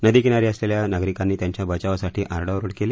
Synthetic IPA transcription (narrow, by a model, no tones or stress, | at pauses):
nəd̪ikinaɾiːəsleljanaɡɾikanːiːt̪jaɲt͡ɕjabʱət͡ɕaʋasaʈʰiːʔaɾɖəʋɾuɽkeliː